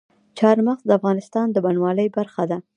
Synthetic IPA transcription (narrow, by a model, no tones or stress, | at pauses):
t͡ʃɑɾmaxzd̪əafɣɑnɪst̪ɑnd̪əbanwɑləjbaɾxad̪a